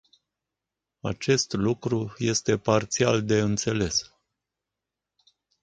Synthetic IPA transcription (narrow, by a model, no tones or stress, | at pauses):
a̰t͡ʃe̞st̪lukɾuje̞st̪e̞part̪siald̪e̞ɨnt̪se̞le̞s